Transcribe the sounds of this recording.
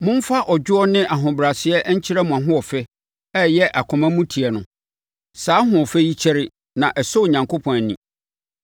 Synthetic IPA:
mʊ̃˦m̩˦fa˦ʔɔ˨d͡ʑᶣʊ˦ɔ˦nɪ̃˦ʔa˨ɦʊ̃˨bɾa˨sɪ˨ɛ˦ʔɲ̩˦t͡ɕʰɪ˦ɾa˦mʊ̃˨a˨ɦʊ̃˦ɔ˨fɛ˦ | ɛ˦jɛ˦ʔa˨kʰɔ̃˨mã˦mũ˦tʰi˨ɛ˨nʊ̃˨ | saː˨˦ɦʊ̃˨ɔ˨fɛ˦ji˦t͡ɕʰɛ˦ɾɪ˦ | nã˨ʔɛ˨so˦˨ɲã˨ŋkʰo˦pʰɔ̃˨næ˨nĩ˨

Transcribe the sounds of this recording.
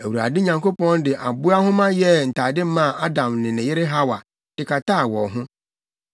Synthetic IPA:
e˨wu˨ɾa̰˨dɪ˦ɲã˨ŋko˦pɔ̃˦n˦dɪ˨ʔa˨bʊ˦a˦ɦʊ̃˦mã˦jɛ˦n̩˨ta˨dɪ˦mã˦˨a˦dã˨mnɪ̃˨nɪ̃˨jɪ˦ɾɪ˦ɦa˦wa˨ | d̥ɪ˨ka˨ta˦˨wɔ˨ɦʊ̃˦

